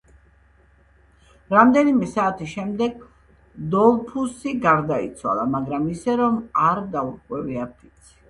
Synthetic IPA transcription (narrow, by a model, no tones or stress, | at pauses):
ɾamd̪ɛnimɛsaːt̪ʰisʃɛmd̪ɛɡ | d̪ɔlˠpʰusiɡaɾd̪ait̪sʰwa̰lˠamaɡɾamisɛɾɔmaɾd̪auɾkʼwɛviapʰit̪sʰi̥